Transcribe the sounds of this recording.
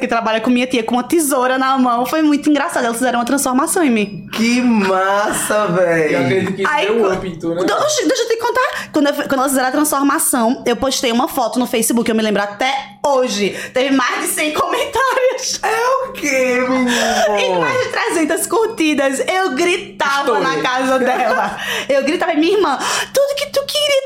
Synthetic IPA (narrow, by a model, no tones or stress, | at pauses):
kɪt̪ɾabaʎɐkõmĩɲɐt̪iɐkõũmɐt̪izoɾɐnɐmɐ̃w̃fojmũj̃t̪ʊĩɡɾasad̪ɐɛlɐsfizɛɾ̃ũɐt̪ɾɐ̃sfoɾmasɐ̃w̃ẽmĩ | kɪmasɐvɛjevezʊkaĩɐpĩnt̪uɾɐd̪oʃd̪ejʃot̪ɪkõnt̪aɾkwɐ̃d̪ʊewfkɐ̃d̪ɛlɐsfizɛɾ̃ɐ̃aɐt̪ɾɐ̃sfoɾmasɐ̃w̃ewpoʃt̪ejũmɐfɔt̪ʊnʊfejsibukɪewmɪlẽbɾat̪ɛ | oʒɪt̪evɪmajzd͡ʒɪsẽj̃komẽnt̪aɾjʊsewkeɾuẽmajzd͡ʒɪt̪ɾɛzẽnt̪ɐskoht̪id̪ɐsewɡɾit̪avɐnɐkazɐd̪ɛlɐewɡɾit̪avɐmĩɲɐihmɐ̃t̪ud̪ʊkɪ̥t̪ukɪɡɾi